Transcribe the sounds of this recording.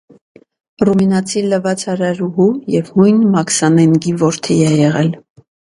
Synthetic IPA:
ruminɑt͡sʰiləvɑt͡sʰɑɾɑɾuɦujɛvhujnmɑksɑnɛŋɡivɔɾt̪ʰijɛjɛʁɛl

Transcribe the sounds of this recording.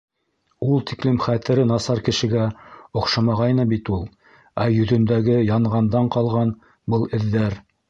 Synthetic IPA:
ulˠt̪iklɘmχæt̪ɘ̆ɾɘnɑsɑɾkɘ̆ʃɘ̆ɡæŏqʃɑmɑʁɑjnɤbit̪ulˠ | æjɵ̆ðɵ̆nd̪æɡɘjɑɴʁɑnd̪ɑɴqɑlˠʁɑn | bɤlˠɘ̆ðːæɾ

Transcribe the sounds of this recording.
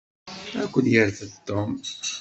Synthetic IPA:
ækʷːənjəɾθəd̪t̪ːom

